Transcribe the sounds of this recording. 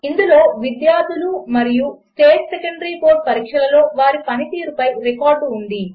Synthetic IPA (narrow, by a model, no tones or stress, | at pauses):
ind̪ulo̞ːʋid̪jaːd̪ʱulumɐɾijusʈe̞ːʈsekɐɳɖɐɾiːpo̞ːʈ̚pɐɾiːkʂɐlɐlo̞ːʋaːɾipɐnit̪iːɾupɐjɾekaːɾɖuɳɖi